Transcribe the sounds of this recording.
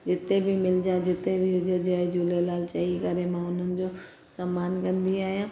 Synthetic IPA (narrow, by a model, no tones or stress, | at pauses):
d͡ʒɪt̪ebʱimɪld͡ʑãd͡ʑɪt̪ebʱiʊd͡ʒod͡ʒəed͡ʒuːlelaːlt͡ʃɐikɐɾemãʊn̤ənɪ̆d͡ʑo | sɐmaːnkɐ̃nd̪iaːijãː